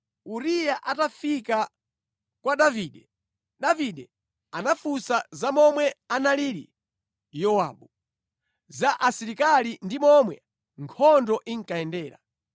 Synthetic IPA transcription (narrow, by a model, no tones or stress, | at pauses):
uɾijaʔatafika | kwaɗaviːɗɛ | ɗaviɗɛ | anafusazamɔmwɛanaliɾḭ | jɔwa̰ːɓu | zaʔasiɾikalindimɔmwɛ | ŋkʰɔndɔʔiŋ̩kaɛndɛːɾa̰